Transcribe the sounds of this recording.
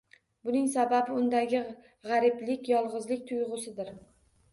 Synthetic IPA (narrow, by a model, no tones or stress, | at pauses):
bʊnɪŋsababɪʊnd̪aɡʲɪ | ʁɑɾɪplɪkʲjɒlˠʁɨzlɪkʲt̪ʰʊjʁʊsɪd̪ɪɾ